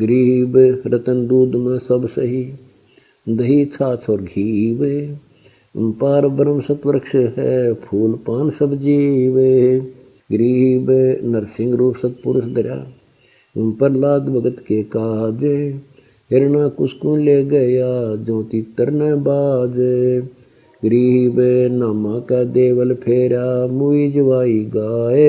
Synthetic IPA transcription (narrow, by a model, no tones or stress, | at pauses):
ɡəɾiːbɾət̪ənd̪uːd̪mẽsɐbsəɦi | d̪ɐɦiːt͡ʃʰaːt͡ʃʰɔːɾɡʱiːʋe | paːɾbəɾəmsɐt̪ʋəɾəkʃɦɛ̰pʰuːlpaːnsɐbd͡ʒiːʋe | ɡəɾiːbenɐɾsɪ̃ŋɡɾuːpsɐt̪̚pʊɾʊsd̪ɐɾja̰ː | pəɾlaːd̪bəɡət̪keːkaːd͡ʒe | ɦɪɾnãːkʊskũːleːɡəjaːd͡ʒõːt̪iːt̪əɾneːbaːd̪ | ɡəɾiːɦbenaːmãːkaːd̪eːʋəlpʰeːɾaːmuiːd͡ʒəʋaːiːɡaːe